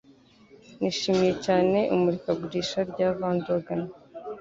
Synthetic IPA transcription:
niʃiːmije̞caːne̞ʔumuɾikaɡuɾiʃaɾɟaːvaːndoɡana

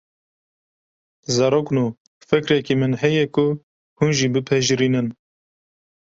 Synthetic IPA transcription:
zɑɾoːknuː | fɨkɾɛkimɨnɦɛjɛkʰʊ | hunʒiːbɨpʰɛʒɾiːnɨn

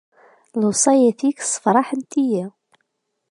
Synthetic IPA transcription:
losˤɑjæθiksˤə̥fɾˤɑħənt̪ijæ

